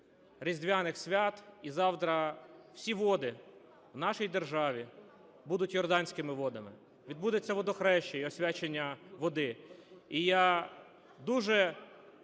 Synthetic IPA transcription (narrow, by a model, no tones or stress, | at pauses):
ɾʲizʲd̪ʋʲanɪxsʲʋʲat̪izɑwt̪ɾɐw̥sʲiʋɔd̪ɪ | wn̪ɑʃijd̪erʒɑʋʲi | bud̪ʊtʲjɔrd̪ɑnʲsʲkɪmɪʋɔd̪ɐmɪ | ʋʲid̪̚bud̪et͡sʲːɐʋɔd̪ɔxɾɛʃt͡ʃeiɔsʲʋʲat͡ʃenʲːɐʋɔd̪ɪija | d̪uʒɛ